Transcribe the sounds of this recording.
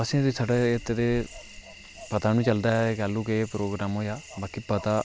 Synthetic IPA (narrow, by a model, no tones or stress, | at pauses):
əsĩːt̪iːsaːɖeːet̪eɾeː | pət̪aːnũːt͡ʃəld̪aːkɛːlũːkepɾoːɡɾaːmɦoːjaːbaːkiːpət̪aː